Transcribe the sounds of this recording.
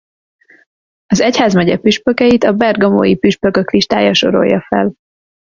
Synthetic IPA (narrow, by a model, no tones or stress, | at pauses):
ɒzɛchaːzmɛɟɛpyʃpøkɛjit̪ɒbɛrɡɒmo̰ːjipyʃpøkøkliʃt̪aːjɒʃo̞̰ɾo̞̰jːɒfɛ̰l